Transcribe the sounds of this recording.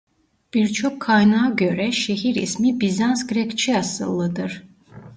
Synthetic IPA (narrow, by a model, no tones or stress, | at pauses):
b̥iɾt͡ʃʰɔkʰːajnaːɡøɾɛʃɛɦiɾḭsmibizansɡɾɛkt͡ʃʰiɑsɯ̰lˠːɯd̪ɯɾ